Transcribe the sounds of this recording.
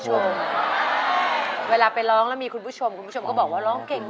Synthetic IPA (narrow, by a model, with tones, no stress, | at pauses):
o˧m | weː˧laː˧pa˧jɾɔː˦˥ŋlɛː˦˥wmiː˧kʰu˧npʰu˦˥˩t͡ɕʰo˧mkʰu˧nʰpu˦˥˩o˧kɔː˥˩bɔː˨˩k̚waː˥˩ɾɔː˦˥ŋke˨˩ŋ